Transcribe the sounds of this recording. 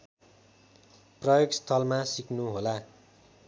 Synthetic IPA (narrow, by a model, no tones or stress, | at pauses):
prʌjoɡst̪ʰʌlmasiknuɦola